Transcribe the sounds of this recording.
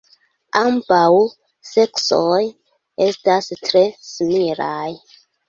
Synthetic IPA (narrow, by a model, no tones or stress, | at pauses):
ambaw | se̞ksoj | e̞stastɾe̞smiɾaj